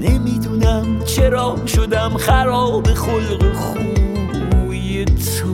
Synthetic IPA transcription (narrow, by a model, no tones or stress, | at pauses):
nemid̪unæmt͡ʃʰeɾɒːbʃod̪æmχæɾɒːbeχolɡeχub | bɾujet̪ʰ | o